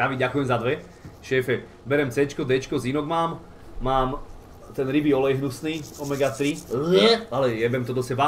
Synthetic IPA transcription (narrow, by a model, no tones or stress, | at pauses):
ɾaʋiɟakujɛmzad̪ʋɛ | ʃɛːfɛ | bɛɾɛmt͡sɛːt͡ʃkɔd̪ɛːt͡ʃkɔzinɔɡmaːm | maːm | t̪ɛnɾibiɔlɛjɦnusniːɔmɛɡat̪ɾiɛalɛjɛbɛmt̪ɔd̪ɔsɛba